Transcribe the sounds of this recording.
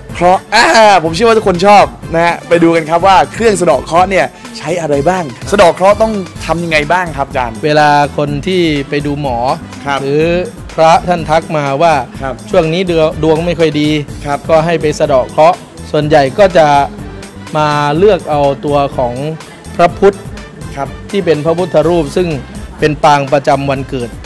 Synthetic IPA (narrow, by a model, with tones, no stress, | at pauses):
kʰɾɔ˦˥ʔaː˧˩pʰo˩˦mt͡ɕʰːwa˦˥˩kʰo˧nt͡ɕʰɔː˥˩p̚na˦˥ha˦˥pa˧jduː˧ka˧nkʰa˦˥p̚waː˥˩kʰɾɯ˥˩əŋs̬a˧dɔː˨˩kʰɾɔ˦˥ni˥˩ɐ | t͡ɕʰa˦˥jʔa˧ɾa˧jbaː˥˩ŋsa˧dɔː˨˩kʰɾɔ˦˥t̪ɔ˥˩ŋt̪ʰa˧mja˧ŋːa˧jbaː˥˩ŋkʰa˦˥p̚t͡ɕaː˧nweː˧laː˧kʰo˧nt̪ʰiː˥˩pa˧jduː˧mɔː˩˦ | kʰa˦˥ɾɯː˩˦ | pʰɾa˦˥t̪ʰa˥˩nt̪ʰa˦˥k̚maː˧waː˥˩˦t͡ɕʰu˥˩əŋniː˦˥˧du˧əŋma˥˩jkʰɔ˥˩jdiː˧kʰkɔː˥˩ɦa˥˩jpa˧jsa˧dɔː˨˩kʰɾɔ˦˥ | su˨˩ənja˨˩jkɔː˥˩t͡ɕa˨˩ | maː˧lɯ˥˩ək̚ʔa˧wt̪u˧ɐkʰɔː˩˦ŋ | pʰɾa˦˥pʰu˦˥t̪̚ | k̚ʰt̪ʰːiː˥˩pe˧npʰɾa˦˥pʰu˦˥t̪ʰːa˧ɾuː˥˩p̚sɯ˥˩ŋpe˧npaː˧ŋpɾa˧t͡ɕa˧mwa˧nkɤː˨˩t̪̚